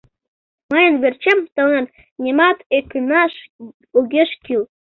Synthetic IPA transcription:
mɤjə̆nβert͡ɕemt̪ɤ̆nɑn | nʲemɑt̪ekʲynɑʃ | uɣʲeʃkil

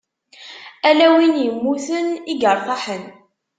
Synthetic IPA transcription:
ælæwinjəmːuθəniɡəɾˤθˤɑħən

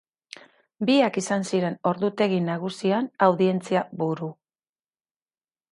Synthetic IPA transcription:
biakisansiɾe̞no̞ɾðut̪e̞ɣ̞inaɣ̞usianawðie̞nt͡siaβuɾu

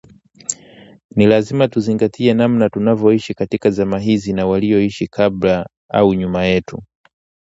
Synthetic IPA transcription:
nilazimatuziŋɡatʰiɛnamnatunavɔiʃikatikazamaɦizinawalijɔiʃikʰabla | a̰uɲumajɛtu

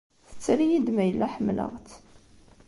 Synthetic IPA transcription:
θə̥t͡sːɾijid̪mæjəlːæħəmlə̰ʁt̪

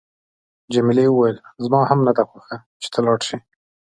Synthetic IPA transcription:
d͡ʒamilewuwajəlzmɑhamnad̪axaxa | t͡ʃe̥t̪ʰalɑɽʃi

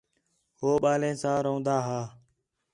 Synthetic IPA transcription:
hoːɓaːlẽːsãːɾõːnd̪aːɦaː

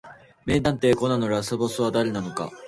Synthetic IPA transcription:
me̞ːd̪ãnt̪e̞ːko̞nano̞ɾasɨbo̞sɨβad̪aɾe̞nano̞ka̰

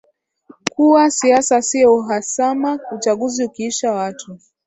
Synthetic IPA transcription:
kuwasiasasiɔuɦasamaut͡ʃaɠuziukiiʃawatʰu

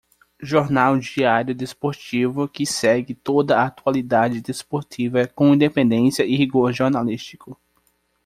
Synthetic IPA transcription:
ʒoɾnawd͡ʒiaɾjʊd̪espoɾt͡ʃivʊkɪsɛɡɪt̪od̪ɐːt̪ualid̪ad͡ʒɪd̪espoɾt͡ʃivɐkõĩd̪epẽnd̪ẽsjɐɪhiɡoɾʒoɾnalist͡ʃi̥kʊ

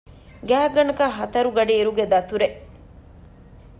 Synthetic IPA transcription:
ɡæːɡɐnɐkaɦɐt̪ɐɾuɡɐɖiːɾuɡed̪ɐt̪uɾeʔ

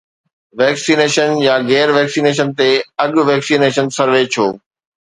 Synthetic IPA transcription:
ʋɛːksiːneːʃənjaɣɛːɾʋɛːksiːneːʃ̬ənt̪eɐɠʊʋɛːksiːneːʃənsɐɾʋet͡ɕʰoː

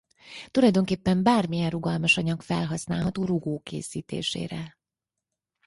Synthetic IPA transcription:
t̪ulɒjd̪o̞ŋkeːpːɛmbaːrmijɛnruɡɒlmɒʃɒɲɒkfɛlɦɒsnaːlɦɒt̪oːruɡoːkḛːsiːt̪ḛːʃḛːɾɛ

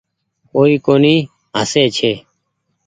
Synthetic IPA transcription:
koːiːkoːniː | ɦə̰seːt͡ʃʰeː

